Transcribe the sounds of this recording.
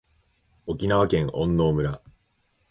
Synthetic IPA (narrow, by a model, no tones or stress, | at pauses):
o̞kʲinaβakẽ̞ŋʔõ̞nːo̞ːmɯ̟ɾa